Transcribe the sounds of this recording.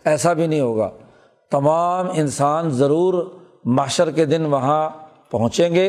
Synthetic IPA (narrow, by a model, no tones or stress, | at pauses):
ɛːsabʱinəɐɦĩɦoːɡa̰ː | t̪ɐmaːmɪnsaːnzɐɾuːɾ | maːʃəɾked̪ɪnʋɐɦã | pɐɦʊ̃t͡ʃẽːɡeː